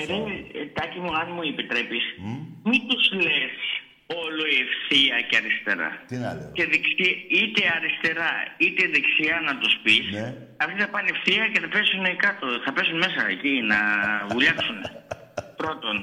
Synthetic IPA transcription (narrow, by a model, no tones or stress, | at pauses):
eɾet̪ɐcimuɐnmuipit̪ɾepismit̪uzles | o̞loiefθiɐceɐɾist̪e̞ɾɐ̰ce̞ðeksiit̪e̞ɐɾist̪e̞ɾɐit̪e̞ðeksiɐnɐt̪uspis | ɐft̪iθɐpɐniefθiɐceθɐpe̞sunekɐt̪o̞θɐpesunme̞s̬ɐecinɐvuʎɐksunepɾo̞t̪o̞n